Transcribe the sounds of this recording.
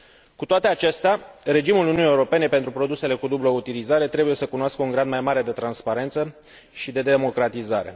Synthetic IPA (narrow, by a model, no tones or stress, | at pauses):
kut̪oat̪e̞at͡ʃe̞st̪eaɾe̞d͡ʒimuluniunijeuɾo̞pe̞ne̞pe̞nt̪ɾupɾo̞d̪use̞le̞kud̪ubloout̪ilizaɾe̞t̪ɾe̞buje̞səkunoaskəuŋɡɾad̪majmaɾe̞d̪e̞t̪ɾanspaɾe̞nt̪sə | ʃid̪e̞d̪e̞mo̞kɾat̪izaɾe̞̰